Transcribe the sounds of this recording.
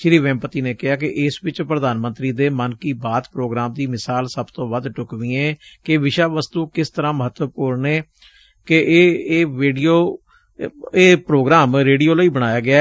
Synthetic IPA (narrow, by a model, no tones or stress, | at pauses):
ʃɪɾiːʋɛ̃ːmpət̪iːneːkɪɦaːkɪʔɪsʋɪt͡ʃpɾəd̪aːnmənt̪ɾiːd̪eːmənkiːbaːt̪pɾoːɡɾaːmd̪iːmɪsaːlsəbt̪õːbəd̪ʈʊkʋiːẽːkɪʋɪʃaːʋəst̪uːkɪst̪əɾãːməɦət̪wəpʊːɾneː | keʔːʋeːɖijoː | eːpɾoːɡɾaːmɾeːɖiːoːləiːbəɽ̃aːjaːɡɪaː